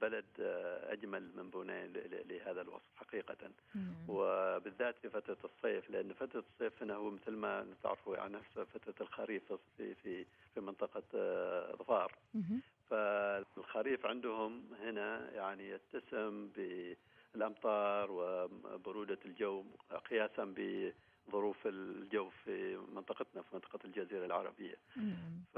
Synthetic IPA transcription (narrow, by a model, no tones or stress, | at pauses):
balad̪ʔa̰d͡ʒmalmɪmbuːnḛːlɪhaːðalwɑ̰sˤfħaqiːqa̰ | wɪbɪðːaːt̪fifaɑt̪ɾˤɑsˤːeːflɪʔanːfat̪ɾˤɑsˤːeːfhɪnahʊːmɪθlmant̪a̰ʕɾfuja̰ʕninafsfat̪ɾˤɑlxaɾiːfsfḭfifimɪnt̪ˤɑqɑ | ðˤfɑːɾˤ | falxaɾiːfʕɪnd̪ʊhʊmhɪnajaʕnijɪt̪ːasɪmbɪ | ɪlʔɑmt̪ˤɑːɾˤwɪbʊɾuːd̪ald͡ʒawːqɪjaːsambɪ | ðˤʊɾuːfɪld͡ʒawːfimɪnt̪ˤɑqɑt̪nafimɪnt̪ːˤɑ̥qɑld͡ʒaziːɾalʕɑ̰ɾˤɑ̰bɪjːa̰f